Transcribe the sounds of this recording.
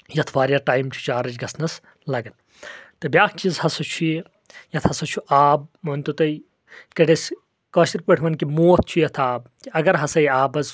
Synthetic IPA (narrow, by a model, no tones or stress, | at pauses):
jɐt̪ʰʋaːɾʲjaːʈaːjmt͡ʃʰu̥t͡ʃaːɾɐt͡ʃɡɐsnɐs | lɐɡɐn | t̪ɐbʲaːkʰt͡ʃizhɐsɐt͡ʃʰui | jɐt̪ʰhɐsɐt͡ʃʰuʔaːb̚mɐnʲt̪ut̪ɐj | kɐɽɐsʲ | kɐːʃiɾʲpɐʈʰʋɐnkimoːt̪̚ʰt͡ʃʰujɐt̪ʰaːbkiɐɡɐɾɦɐsɐjaːbɐz